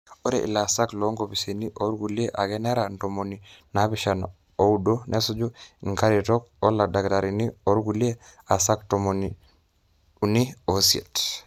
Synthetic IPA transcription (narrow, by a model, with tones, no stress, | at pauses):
o˦ɾḛ˨ʔḭ˨la˨sa˦klo˨˦ŋɡo˨pi˨se˨ni˦ʔo˦ɾɡu˨li˦e˦ʔa˨ɡɛ˦nɛ˦ɾa˨nto˨mo˨nina˦pɪʃa˨n | o˦u˦do˦nʔe˦su˦d͡ʒu˦i˨ŋka˦ɾi˨tɔ˦kɔ˦la˨da˨kta˨ɾi˨ni˦o˦ɾɡu˨li˦e˦a˨sa˦ktomoni | u˨ni˦o˨siḛ˨t